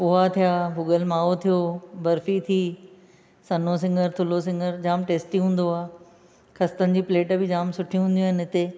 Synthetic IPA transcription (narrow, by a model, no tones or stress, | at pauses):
pʊɦat̪ʰijaːbʊɠəlmaːot̪ʰijobɐɾfit̪ʰiː | sɐnos̬ɪ̃ŋɡʱəɾt̪ʰʊlos̬ɪ̃ŋɡʱəɾd͡ʑaːmʈeːsʈiɦũːn̆d̪oaː | kɐst̪ənɪ̆d͡ʑiːpleːʈbɪd͡ʑaːmsʊʈʰiũɦũːnd̪jaːɦɪnɪɦɪt̪e